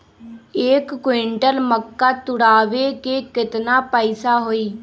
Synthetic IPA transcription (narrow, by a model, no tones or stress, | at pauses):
ekːweɳʈəlməkːaːt̪ʊɽaːʋeːkeːkɪt̪naːpəɪsaːɦoːiː